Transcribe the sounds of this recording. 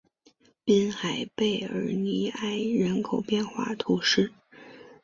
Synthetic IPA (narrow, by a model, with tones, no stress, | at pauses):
pi˥nxa˨˩ɪpe˥˩ɪə̰˞˧˥ni˧˥a˥˩ɪɻə˧˥nkʰo˨˩ʊpjɛ˥˧nxwa̰˥˩t̪ʰu˧˥ʂɻ̩˥˩